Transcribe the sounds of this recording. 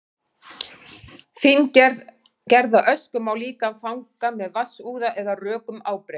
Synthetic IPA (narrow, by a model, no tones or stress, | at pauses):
fɪnc | cɛɾðaʔœskʏmawliːkafawŋkamɛðvasuːðaʔɛðarœːkʏmaːwpɾe